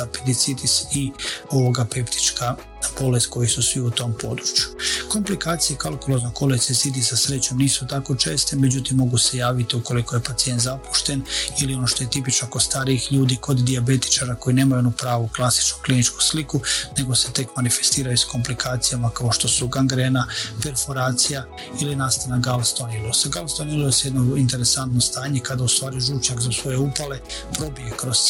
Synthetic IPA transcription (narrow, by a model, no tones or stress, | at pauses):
aped̪it̪sid̪isio̞ʋo̞ɡapept̪i̥t͡ʃka | po̞lesko̞jisusʋiut̪o̞mpo̞̰ːd̪ɾut͡ɕju̥ko̞mplikaːt̪sijekalˠkulo̞znoko̞let̪isid̪isasɾet͡ɕo̞mniːsut̪ako̞t͡ʃe̞ːst̪e̞med͡ʑut̪imːo̞ɡuse̞jaːʋit̪iuko̞liko̞je̞pat̪sije̞nt̪zapu̥ʃt̪e̞nilio̞no̞ʃt̪o̞jet̪ip̬it͡ʃnokost̪aːɾiixʎuːd̪iko̞d̪d̪iabe̞t̪i̥t͡ʃaːɾako̞jineːmajunupɾaːʋuklˠasi̥t͡ʃnuklinit͡ʃku̥slikune̞ɡo̞se̞t̪e̞kmanife̞̥st̪iːɾajusko̞mplikʰaːt̪sijamakao̞ʃt̪o̞suɡaŋɡɾenape̞ɾfo̞ɾaːt̪sija | ilinaːst̪anaɡalst̪onilosaɡalst̪onilosjd̪noint̪e̞ɾesant̪nost̪aːɲe̞kad̪aust̪ʋaːɾiʒuːt͡ʃakzasʋo̞je̞upale̞ | pɾo̞bijekɾo̞z̥